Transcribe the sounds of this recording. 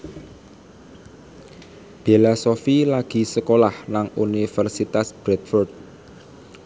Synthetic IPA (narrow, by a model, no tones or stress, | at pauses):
b̥ilasofilaɡ̥i̤səkolahnaŋunifɛrsit̪asb̥ɾɛt̪̚fɔrd̪̚